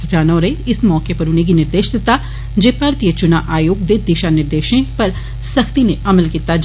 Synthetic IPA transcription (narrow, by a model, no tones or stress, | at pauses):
kɾaːnõːɾeɪsmɔːkepɐɾʊnẽɡinɪɾd̪eːʃd̪ɪt̪a | d͡ʒeːpaːɾt̪ijət͡ʃʊnaʔaːjoːɡd̪ed̪iːʃanɪɾd̪eːʃẽpɐɾ | səkʰt̪inẽʔɐməlkiːt̪ad͡ʒ